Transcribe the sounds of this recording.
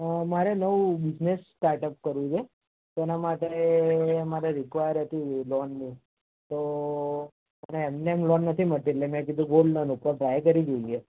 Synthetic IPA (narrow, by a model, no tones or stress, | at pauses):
maɾenəʋũbɪd͡ʒnesʈaɾʈəp̚kəɾʋũt͡ʃʰe | t̪ɛnamaʈe | maɾeɾikʋajəɾɦət̪ilɔnːĩ | t̪o | məneɛmneːmlɔnːət̪ʰiməʈilemɛ̃k̬id̪ʱũɡolɖnɔnukʋəpɾajkəɾid͡ʒoie